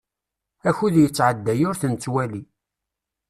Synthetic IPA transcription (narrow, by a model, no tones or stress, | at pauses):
æçuðjət͡sːʕəd̪ːæjʊɾθənt͡sːwæli